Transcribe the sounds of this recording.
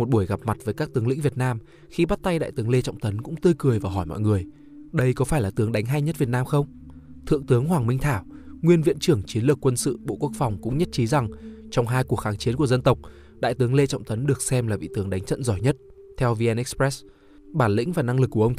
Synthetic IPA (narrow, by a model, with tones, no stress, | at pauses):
mo˨˩t̚ɓu˧˩əjɣa˨˩p̚ma˨˩t̚vəː˨˦jkaː˦˥k̚t̪ɨ˨˦əŋlḭ˧˥ŋvi˨˩ət̚naː˧m | xi˧ɓa˦˥t̚t̪a˧jɗa̰ː˧˨jt̪ɨ˨˦əŋle˧t͡ɕɔ̰˧˨wŋ͡mt̪ə˨˦nkʊ̰˧˥ŋ͡mt̪ɨ˧jkɨ˨˩əjvaː˨˩wɦɔ˧˩jmɔ̰˧˨jŋɨ˨˩əj | ɗə˧jkɔ˨˦faː˧˩jlaː˨˩t̪ɨ˨˦əŋɗa˨˦jŋ̟ɦa˧jɲə˦˥t̚vi˨˩ət̚naː˧mxə˧wŋ͡m | t̪ʰɨ̰˧˨əŋt̪ɨ˨˦əŋɦwaː˨˩ŋmï˧ŋ̟t̪ʰaː˧˩w | ŋwi˧ənvḭ˧˨ənt͡ɕɨ˧˩əŋt͡ɕi˨˦ənlɨ˨˩ə˩kːwə˧nsɨ̰˧˨ɓo̰˧˨ku˦˥ək̚fɔ˨˩wŋ͡mkʊ̰˧˥ŋ͡mɲə˦˥t̚t͡ɕi˨˦za˨˩ŋt͡ɕɔ˧wŋ͡mɦaː˧jku˨˩ək̚xaː˨˦ŋt͡ɕi˨˦nku˧˩əzə˧nt̪ə˨˩wk͡p̚ | ɗa̰ː˧˨jt̪ɨ˨˦əŋle˧t͡ɕɔ̰˧˨wŋ͡mt̪ʰə˨˦nɗɨ˨˩ək̚sɛ˧mlaː˨˩ɓḭ˧˨t̪ɨ˨˦əŋɗa˨˦ŋt͡ɕə̰˧˨nzɔ˧˩jɲə˦˥t̚ | t̪ʰɛ˧wvi˧ɛ˧nʔɛ˦˥kspɹɛ˦˥s | ɓaː˧˩nlḭ̈˧˥ŋ̟vaː˨˩na˧ŋlɨ˨˩kːu˧˩ə˧wŋ͡m